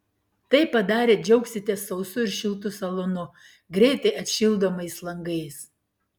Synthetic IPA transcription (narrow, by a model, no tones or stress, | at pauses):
t̪ɐɪpɐd̪ɑːɾʲeːd͡ʒʲɛʊksʲɪt̪ʲɛsɐʊsʊɪɾʃʲɪlˠt̪ʊsɐlˠɔnʊ | ɡɾʲɛɪt̪ɐɪʔɐt̪ʃʲɪlˠd̪oːmɐɪslˠɐŋɡɐɪs